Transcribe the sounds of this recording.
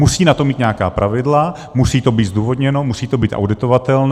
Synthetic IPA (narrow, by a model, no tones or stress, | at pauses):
usiːnat̪o̞miːt̪ɲɛakaːpɾʔavɪdla | musiːt̪o̞biːt̪zd̪uːvo̞d̪ɲɛno̞musiːt̪o̞biːt̪ʔa̰wdɪt̪o̞vat̪ɛln